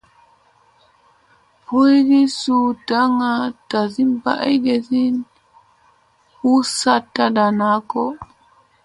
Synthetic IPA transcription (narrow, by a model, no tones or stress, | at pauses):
pojdisutaŋatazimba̰ʔajɡezin | husatːadanakɔ